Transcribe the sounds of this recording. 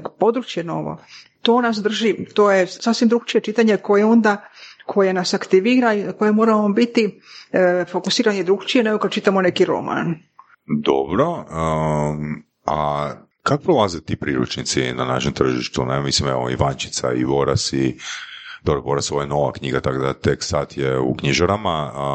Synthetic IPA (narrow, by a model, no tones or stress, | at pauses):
po̞d̪ɾut͡ʃjeno̞̰ʋo̰t̪o̞ːnasd̪r̩ʒit̪oːjesasʋimd̪ɾuɡt͡ʃijet͡ʃit̪aɲeko̞jeo̞nd̪akʰo̞je̞nasakt̪iʋiːɾaiko̞jemo̞ːɾamobit̪i | fo̞kusiːɾanjed̪ɾuɡt͡ʃijeneɡokad̪̚t͡ʃit̪amone̞kiɾo̞̰ma̰n | d̪o̰bɾo̞ | a | kakopɾolˠazet̪ipɾiɾṵt͡ʃnit̪sḭnana̰ʃemt̪r̩ʒḭʃt̪unemisimeʋo̰ḭʋaɲt͡ʃi̥t̪sa̰ḭbo̞ɾasi | d̪obɾobo̞ɾasoʋojeno̞ʋa̰kɲiɡat̪akod̪at̪eksaːt̪jeṵkɲiʒaɾama